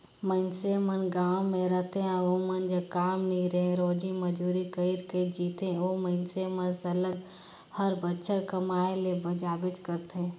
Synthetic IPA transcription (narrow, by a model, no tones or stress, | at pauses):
məɪnsemənɡaːwmẽɾəɦt̪eãomənd͡ʒəkaːmnɐɦĩɾəɦẽɾoːd͡ʒimɐd͡ʒuːɾikəiɾkəiɾd͡ʒiːt̪ẽoməɪnsemə̃nsɐləɡ | həɾbətːʃʰəɾkəmaːelebɐd͡ʒaːbɪt͡ʃkəɾt̪eɦɛ̃